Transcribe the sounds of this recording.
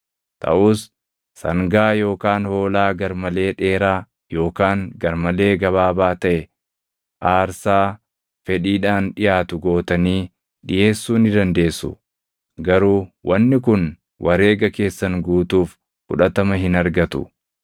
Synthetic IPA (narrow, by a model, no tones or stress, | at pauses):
t̪ʰɐ̰ʔuːsː | ɐŋɡaːjo̞ːkaːnho̞ːlaːɡɐɾmɐle̞ːᶑe̞ːɾaː | jo̞ːkaːŋɡɐɾmɐle̞ːɡɐβaːbaːt̪ɐʔɛ | ʔaːɾsaː | fɛᶑiːᶑaːnᶑɪjaːt̪ʊɡo̞ːt̪ɐniː | ᶑɪjeːsːuːnɪd̪ɐnd̪e̞ːsːʊ̰ | ɡɐɾuːwʔɐnːɪk̬ʊn | wʔɐɾe̞ːɡɐke̞ːsːɐŋɡuːt̪uːf | kʊᶑɐt̪ɐmɐɦɪnɐɾɡɐt̪ʊ̰